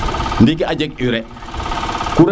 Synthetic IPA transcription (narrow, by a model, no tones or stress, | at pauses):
ndik̬iad͡ʒek̚uɾɛ | kuɾ